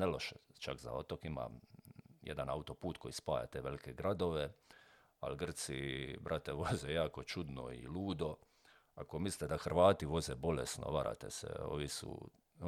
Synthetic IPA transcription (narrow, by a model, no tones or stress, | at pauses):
nelo̞ʃet͡ʃakza̰o̞t̪o̞kima̰ | jḛd̪anaut̪o̞puːt̪kʰojispaːja̰t̪eːʋelike̞ɡɾad̪oʋe | a̰lɡr̩t̪sḭbɾʔat̪eʋo̞zejaːko̞t͡ʃud̪no̞̰ḭluːd̪o̞ | ako̞misli̥t̪ed̪axrʋaːt̪iʋo̞zebo̞lesno̞̰ʋaɾa̰t̪ḛsḛo̰ʋisṵ